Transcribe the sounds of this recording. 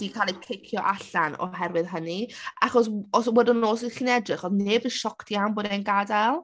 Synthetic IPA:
d̥ikʰaːlˠikʰejkʰjɔʔaɬanɔ̰ɦɛrwɨðɦənia̰χɔs̬ɔs̬wɛdɪnoːs̬iχiːnɛdrɪχɔðneːbənʃɔkʰtʰiawnboːdɛnɡadalˠ

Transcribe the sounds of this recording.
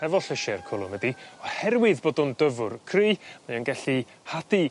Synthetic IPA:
ɛvɔɬəʃɛrkʰʊlˠʊmədiɔhɛrwɪðboːdʊndəvʊrkʰriːmajanɡɛɬi | hadi

